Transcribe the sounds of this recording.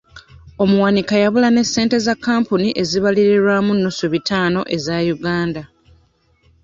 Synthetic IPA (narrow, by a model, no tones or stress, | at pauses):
o̞muwanikajaβulane̞sːe̞ːnte̞zakːaːmpuniʔe̞ziβaliɾeɾwamunːusuβitaːno̞ʔe̞zajuɡaːnda